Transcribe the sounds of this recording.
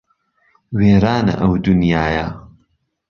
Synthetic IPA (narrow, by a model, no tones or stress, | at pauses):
weːɾaːnɐ̰ʔɐwd̪ʊnjaːjɐ